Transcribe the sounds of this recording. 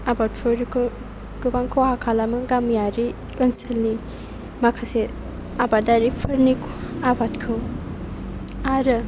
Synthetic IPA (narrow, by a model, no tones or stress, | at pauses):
abatfʰoɾkʰ | ɡ̥ɯbaŋkʰowhakʰalamɯɡamjaɾi | ɯnselni | makʰase | abadaɾipʰɐɾnikʰabatkʰɯw | aɾɯ